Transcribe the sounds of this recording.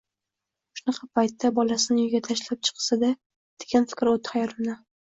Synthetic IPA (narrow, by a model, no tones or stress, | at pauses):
ʃʊnɑqʰɑpʰajt̪ːabɒlasɪnɪjʊɡʲat̪ʰaʃlap̚t͡ʃʰɨ̥qʰɨ̥sad̪a | d̪̥eɡʲanfɪ̥kʲɾot̪ʰhajɒɾɪmna